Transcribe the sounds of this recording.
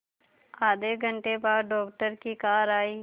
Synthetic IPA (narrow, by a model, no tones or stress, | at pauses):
aːd̪eɡʱəɳʈebaːdɖɔːk̚ʈəɾkiːkaːɾaːiː